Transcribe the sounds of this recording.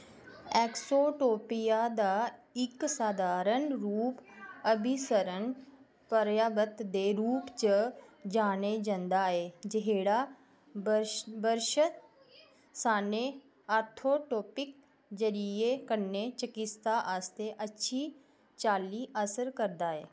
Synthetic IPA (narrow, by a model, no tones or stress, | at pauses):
ɛːksoːʈoːpɪjaːd̪aːɪksaːd̪ʱaːɾənɾuːpəbʱɪsəɾən | pəɾjaːbət̪d̪eːɾuːpt͡ʃəd͡ʒaːneːd͡ʒãnd̪aːɦɛːd͡ʒəɦeːɽaː | bəbəɾʃət̪ | saːneː | aːɾt̪ʰoːʈoːpɪk̚ | d͡ʒəɾiekəɾneːt͡ʃəkɪst̪aːʔaːst̪eʔətːʃʰiː | t͡ʃaːliːʔəsəɾkəɾd̪aːɦɛː